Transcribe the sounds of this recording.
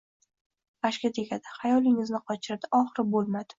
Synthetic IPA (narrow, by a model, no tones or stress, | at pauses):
aʃkʲat̪ʰekʲad̪ɪ̥hajɒlˠɪŋɪznɪqʰɒt͡ʃʰɾad̪ɪʔɒχɾɪbolˠmad̪ɪ̥